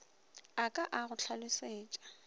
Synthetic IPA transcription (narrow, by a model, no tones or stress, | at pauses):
akʼaʔaɣʊt͡ɬʰalɪseːt͡ʃʼḁ